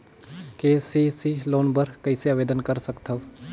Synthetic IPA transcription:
keːsiːsiːloːnbəɾkəɪseaʋeːd̪ənkəɾsəkt̪ʰəʋ

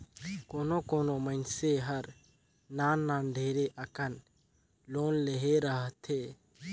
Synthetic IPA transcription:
koːnokoːnomənseɦəɾ | naːnːaːnɖʱeːɾeʔəkən | loːnleɦeɾəɦt̪ʰeː

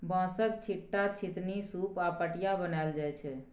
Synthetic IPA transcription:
bãsək̚t͡ʃʰiʈːat͡ʃʰit̪nisupapəʈijabənaeld͡ʒajt͡ʃʰɛ

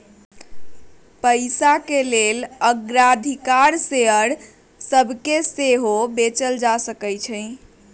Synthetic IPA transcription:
pəɪsakeleləɡɾad̪ʱikaɾseɦəɾ | səbʱkeseɦobet͡ʃəld͡ʒasəkəjt͡ʃʰə̃ɪ̃

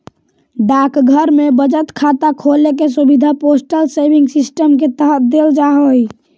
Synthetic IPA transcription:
ɖakɡʱəɾmebəd͡ʒət̪kʰat̪akʰolekes̬ubid̪ʱaposʈəlsebʱiŋɡsisʈəmket̪əɦət̪̚d̪eld͡ʒaɦoj

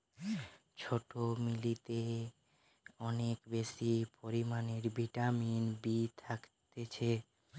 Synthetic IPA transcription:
t͡ɕʰoʈomilit̪e | ɔnekbeʃipoɾimaneɾbʱiʈaminbit̪ʰakt̪et͡ɕʰe

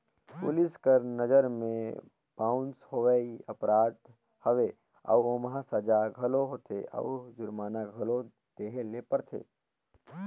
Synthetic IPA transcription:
pʊ̰lɪskəɾnəd͡ʒəɾmẽ | b̥aːʊnshoʋɛiəpɾaːd̪ | həʋe | ə̰womɦasəd͡ʒaɡʱəloɦot̪ʰeʔə̰d͡ʒʊɾmaːnaɡʱəlo | d̪̥eːɦelepəɾt̪ʰḛː

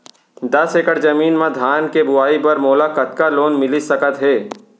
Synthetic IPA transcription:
d̪ɐseːkəʈd͡ʒɐmiːnmãd̪ʱaːnkebʊaːipɐɾmoːlakɐt̪kaloːnmɪlisɐkət̪ɦɛː

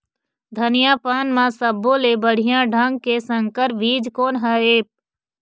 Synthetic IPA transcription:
d̪ʱənɪjapaːnmãsəbõlebəɽ̤ijãɖʱəŋɡ̚kesə̃ŋkəɾʋiːd͡ʒkoːnɦəeːp̚

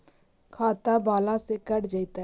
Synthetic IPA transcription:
kʰaːt̪abaːlasekəɽd͡ʒaɪt̪a

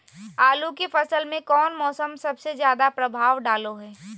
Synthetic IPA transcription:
aːlukefɐsəlmẽkɔːnmɔːsəmsɐbsezjaːd̪apɾɐbʱaːʋɖaːloɦɛː

